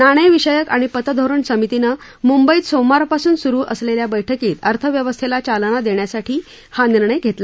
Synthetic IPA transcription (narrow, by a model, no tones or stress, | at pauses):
naɽ̃əjʋiɕəjəkaɽ̃ipət̪əd̪ʱoɾəɳsəmit̪ina | mumbəiːt̪somaɾpasuːnsuɾuːʔəsleljabəjʈʰəkiːt̪əɾt̪ʰəʋjəʋəst̪ʰelat͡ɕalñad̪eɳjasaʈʰiː | haniɾɳəjɡʱet̪la